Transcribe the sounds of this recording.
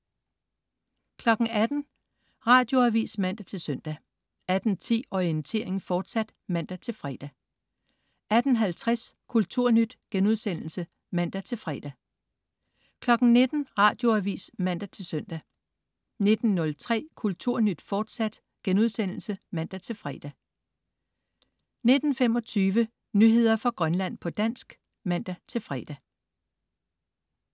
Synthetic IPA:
kʰlɒ̽ɡ̥ŋ̩æd̥n̩ | ʁɑ̈ːd̥jo̝æʋḭːsmæn̰d̥æt͡sʰe̝lsœn̰d̥æ | æd̥n̩t͡sʰḭːɒiənt͡sʰe̝̰ːɐe̝ŋn̩fɒːd̥sæd̥mæn̰d̥æt͡sʰe̝lfʁɛ̰ːd̥æ | æd̥n̩ɦælt͡sʰʁaskʰult͡sʰuɐ̰nyd̥ɡ̥enuð̞̰ˠsen̰l̩sə | mæn̰d̥æt͡sʰe̝lfʁɛ̰ːd̥æ | kʰlɒ̽ɡ̥n̩ne̝d̥n̩ʁɑ̰̈ːd̥jo̝æʋḭːsmæn̰d̥æt͡sʰe̝lsœn̰d̥æ | ne̝d̥n̩ːɔ̽lt͡sʰʁɛ̰ːkʰult͡sʰuɐ̰nyd̥fɒːd̥sæd̥ | ɡ̥enuðˠsen̰l̩səmæn̰d̥æt͡sʰe̝lfʁɛ̰ːd̥æ | ne̝d̥n̩femɒ̽t͡sʰyːʋə | nyɦe̝ð̞̰ˠɐfɑ̈ɡ̥ʁɶnlæn̰pʰɒ̽d̥æn̰sɡ̥ | mæn̰d̥æt͡sʰe̝lfʁɛ̰d̥æ

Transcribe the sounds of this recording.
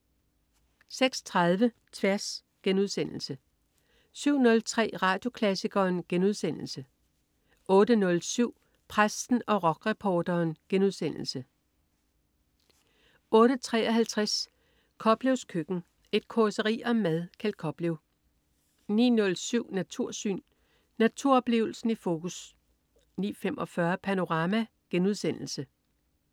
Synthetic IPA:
seɡ̥st͡sʰʁɑðˠʋə | t͡sʰʋæɐs | ɡ̥enuð̞̰ˠsen̰l̩sə | syʊ̰nɔ̽lt͡sʰʁɛ̰ːʁɑ̈ːd̥jo̝kʰlæsiɡ̥ɐːnɡ̥enuð̞ˠsen̰l̩sə | ʔɔ̽ːdənɔ̽lsyʊ̰ | pʰʁasd̥n̩ɒ̽ʁɒ̽ɡ̥ʁɛpʰɒːd̥ɐːnɡ̥enuð̞ˠsen̰l̩sə | ɔ̽ːɾ̥ət͡sʰʁɛ̰ːɒ̽ɦælt͡sʰʁas | kʰɒ̽b̥leʊskʰøɡ̥n̩ | e̝d̥̚kʰosəʁḭːɒ̽mæðˠkʰælkʰɒ̽b̥leʊ | nḭːnɔ̽lsyʊ̰næt͡sʰuɐ̰sy̰ːnː | æt͡sʰuɐ̰ɒ̽b̥le̝̰ːʊl̩sn̩ifo̝ːkʰus | nḭːfemʔɒ̽fɶɐpʰæno̝ʁɑ̈ːmæ | ɡ̥enuðˠsen̰l̩sə

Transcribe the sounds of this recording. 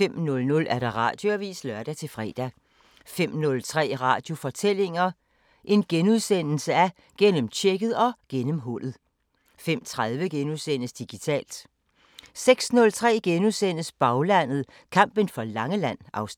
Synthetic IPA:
fem̰nɔ̽lnɔ̽læɐɾ̥ɑ̈ʁɑ̰̈ːd̥joæʋḭːslɶɐɾ̥æt͡sʰe̝lfʁɛ̰ːd̥æ | fem̰nɔ̽lt͡sʰʁɛ̰ːʁɑ̰̈ːd̥jo̝fɒ̽t͡sʰel̰e̝ŋɐ | ʔe̝nɡ̥enuðˠsen̰l̩səæ | ɡ̥en̰əmt͡ɕʰeɡ̥ð̞̩ˠɒ̽ɡ̥enəmɦɔl̰ð̩ˠ | fem̰t͡sʰʁaðˠʋəɡ̥enuðˠsen̰əsd̥iɡ̥it͡sʰɛ̰ːld̥ | seɡ̥snɔ̽lt͡sʰʁɛ̰ːɡ̥enuðˠsen̰əsb̥ɑ̈ʊlæn̰ð̩ˠ | kʰɑ̈m̰b̥ənfɒ̽lɑ̈ŋəlæn̰ɑ̈ʊs

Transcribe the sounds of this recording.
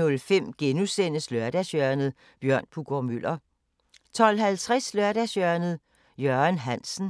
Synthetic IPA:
ɔlfem̰ɡ̥enusen̰əslœɐd̥æsjœɐnð̩ˠ | b̥jɶɐ̰npʰuɡ̥ɒmyl̰ʔɐ | t͡sʰɒ̽lɦælt͡sʰʁɛslɶɐɾ̥ɛsjœɐnð̩ˠ | jœɐnɦæn̰sn̩

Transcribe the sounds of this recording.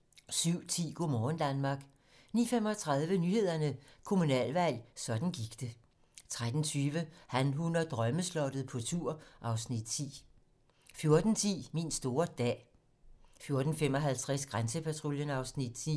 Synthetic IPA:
syʊ̰t͡sʰḭːɡ̥o̝mɒːn̩d̥ænmɑ̈ɡ̥ | niːfemɒ̽t͡sʰʁɑ̈ðˠʋənyːhe̝ð̞̰ˠɐnəkʰo̝munɛ̰ːlʋæl̰sɒ̽d̥n̩ɡ̥iɡ̥d̥e | t͡sʰʁad̥n̩t͡sʰyːʋəhænɦunɐd̥ʁɶməslɒ̽d̥ð̞̩ˠpʰɒ̽t͡sʰuɐ̰ʔɑ̈ʊsnid̥̚t͡sʰḭː | fjo̝ɐd̥n̩t͡sʰḭːminsd̥o̝ːɐd̥ɛ̰ː | fjo̝ɐd̥n̩femɒ̽ɦælt͡sʰʁɛsɡ̥ʁansəpʰæt͡sʰʁo̝ljənɑ̈ʊsnid̥t͡sʰḭ

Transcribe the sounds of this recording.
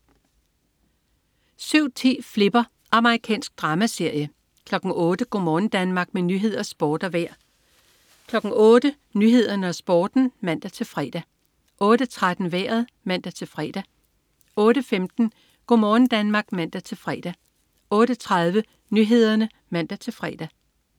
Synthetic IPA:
syʊ̰t͡sʰḭːfle̝b̥ɐ | ʔɑ̈mɐʁikʰɛ̰ːnsɡ̥̚d̥ʁɑ̈ːmæse̝ɐ̰jə | kʰlɒ̽ɡ̥n̩ɔ̽ːd̥əɡ̥o̰mɒːn̩d̥ænmɑ̈ːɡ̥menyːɦe̝ð̞̰ˠɐsb̥ɒːd̥ɐʋæɐ̰ | kʰlɒ̽ɡ̥n̩ɔːd̥ə | nyːɦe̝ð̞̰ˠɐnəɒ̽sb̥ɒːd̥n̩mæn̰d̥æt͡sʰe̝lfʁɛ̰ːd̥æ | ʔɔ̽ːd̥ət͡sʰʁad̥n̩ʋæɐ̰ð̩ˠ | mæn̰d̥æt͡sʰe̝lfʁɛ̰ːd̥æ | ɔ̽ːɾəfemd̥n̩ | ɡ̥o̝mɒːn̩d̥ænmɑ̈ːɡ̥mæn̰d̥æt͡sʰe̝lfʁɛd̥æ | ɔ̽ːd̥ət͡sʰʁað̞ˠʋə | nyɦe̝ð̞̰ˠɐnə | mæn̰d̥æt͡sʰe̝lfʁɛ̰ːd̥æ

